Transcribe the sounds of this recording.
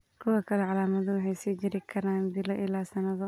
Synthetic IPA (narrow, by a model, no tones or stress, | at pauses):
kʰʊwɐkʰɐlɛʕalaːmɐðʊʊħɛjsiːd͡ʒɪɾɪkʰɐɾaːnd̪ɪlɔʔɪlːaːsɐnɐðɔ